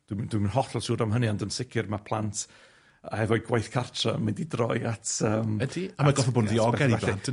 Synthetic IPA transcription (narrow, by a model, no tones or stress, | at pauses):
d̥wd̥wimnhɔɬɔlˠsuːɾamɦəniandənsɪkʰɪrmapʰlˠantʰ | aɛvɔɨɡwajθkʰartʰramɪndidrɔ̰jatʰəːmdiamaɡɔfɔbʊnðiɔɡɛaniɛɬɛn